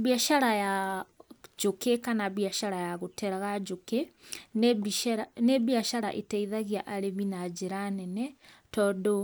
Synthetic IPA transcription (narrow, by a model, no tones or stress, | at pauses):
βiaʃaɾaja | d͡ʒokekanaβiaʃaɾajaɣotɛɾaɣad͡ʒoke | aneβiaʃaɾa̰ʔetɛiðaɣiaʔaɾeβinad͡ʒeɾanɛnɛtɔːdo